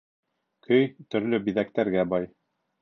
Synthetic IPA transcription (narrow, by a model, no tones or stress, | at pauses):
kʰɵjt̪ɵ̆ɾlɵbiðæk̚t̪æɾɡæbɑj